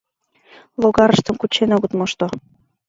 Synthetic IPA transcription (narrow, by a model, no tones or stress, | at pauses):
loɣɑɾə̆ʃt̪ə̆mkut͡ɕenoɣɤt̪moʃt̪o